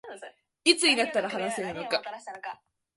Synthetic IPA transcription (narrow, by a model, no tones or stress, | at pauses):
it͡sɨɲ̟inat̪ːaɾaɦanaseɾɯ̟no̞ka